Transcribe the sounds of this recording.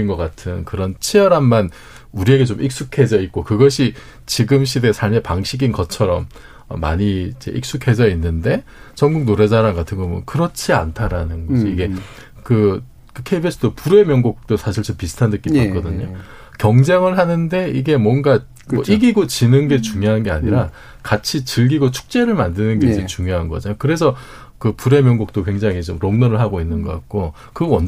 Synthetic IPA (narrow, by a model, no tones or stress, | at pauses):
inɡʌk͈atʰɯnkɯɾʌnt͡ɕʰijʌɾamːan | uɾie̞ɡe̞t͡ɕomʔik̚s͈ukʰe̞d͡ʑʌit̚k͈okɯɡʌɕʰi | t͡ɕiɡɯmɕ̬͈ʰide̞sʰaɭmepaŋɕʰiɡinɡʌt͡ɕʰʌɾʌm | ʌ̰ːa̰ɲiid͡ʑe̞̰ʔik̚s͈ukʰe̞d͡ʑʌinːɯnde̞ | t͡ɕʌŋɡuk̚noɾed͡ʑaɾaŋɡatʰɯnɡʌmʌnkɯɾʌt͡ɕʰiantʰaɾanɯnɡʌsʰʌiɡe̞ | kɯ | kɯkʰeibes͈ʰɯdopuɾe̞mjʌŋɡok̚t͈osʰaɕʰiɭt͡ɕompisʰɯ̥tʰandek͈ːitak͈ʌdɯɲo | kjʌŋd͡ʑeŋɯɭhanɯnde̞iɡe̞mwʌŋɡa | mʌʔiɡiɡot͡ɕinɯnɡe̞t͡ɕuŋjoɦanɯnɡe̞a̰ɲiɾa | kat͡ɕʰit͡ɕɯɭɡiɡot͡ɕʰu̥k̚t͡ɕ͈e̞ɾɯɭmandɯnɯnɡe̞id͡ʑet͡ɕuŋjoɦanɡʌ̰d͡ʑaɲokɯɾe̞sʰʌ | kɯpuɾe̞mjʌŋɡok̚t͈okwe̞ŋd͡ʑaŋɦit͡ɕomɾoŋnʌɾɯɭɦaɡoinːɯnɡʌk͈ak̚k͈o | kɯʌn